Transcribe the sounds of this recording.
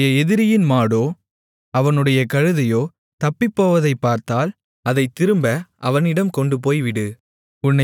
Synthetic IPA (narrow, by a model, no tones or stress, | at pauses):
jɐɛðɪɾɪjɪnmaːɽoː | ɐʋɐnɯɽɐjɐkɐɻɯðɐjoː | t̪ɐpːɪpːoːʋɐðɐɪpːaːɾt̪aːl | ɐðɐɪt̪ːɪɾɯmbɐʔɐʋɐnɪɽɐmkɔɳɖɯp̬oːjʋɪɽɯ | ʊnːɐ